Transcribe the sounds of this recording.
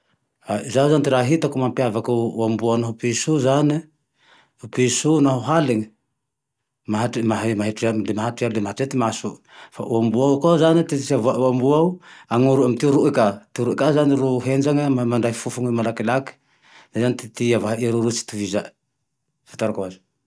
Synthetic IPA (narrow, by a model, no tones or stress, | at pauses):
azauzanit̪iɾaɦit̪akumampiavakawambuanaɦupisuzani | upisunaɦuɦaleŋ | maɦamaɦmaɦiʈ͡ʂialemaɦaʈ͡ʂialemaɦatiat̪imasu | fa̰ʔuambuawkozanit̪isiavaʔuambuauaŋuɾuamt̪iuɾuʔkat̪iuɾuʔekazaniɾuɦend͡ʒaŋamamaɳɖ͡ʐaifufuŋimalakilaki̥ | zazanit̪it̪iavaɦaʔiaɾuɾut͡ʃi̥t̪uviza | fḁt̪aɾakoazi̥